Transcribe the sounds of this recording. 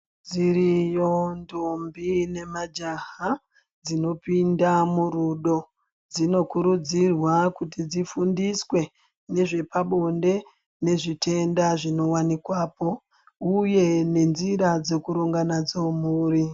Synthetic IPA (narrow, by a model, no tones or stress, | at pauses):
d͡zirijondombine̞mad͡ʒaɦa | d͡zino̞pindamuruɗo̞ | d͡zino̞kuɾud͡zirwakut̬id͡zifundiswe̞ | ne̞ʐe̞paɓo̞nde̞ | ne̞ʐite̞ndaʐino̞wanikwaːpo̞ | uje̞ne̞nziɾad͡ze̞kuɾuŋɡanad͡zomuːri